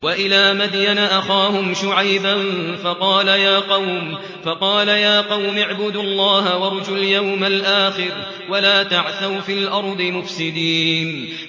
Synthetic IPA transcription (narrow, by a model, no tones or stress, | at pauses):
waʔɪlaːmad̪janaʔaxaːhʊmʃʊʕajbanfɑqɑːlajaːqɑwm | fɑqɑːlajaːqɑwmɪʕbʊd̪lˤːɑːɦawɑɾˤd͡ʒʊljawmalʔaːxɪɾ | walaːt̪aʕθawfiːlʔɑɾˤd̪ˤɨmʊfsɪd̪iːn